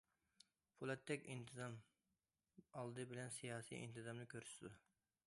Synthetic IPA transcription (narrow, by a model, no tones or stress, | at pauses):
pʰulˠɛt̪ʰːɛkʲint̪ʰɨzɑm | ɑlˠd̪ɨbɪlɛnsijɑːsḭjʔḭnt̪ʰɨzɑmnɨkʲʰøɾssɪd̪u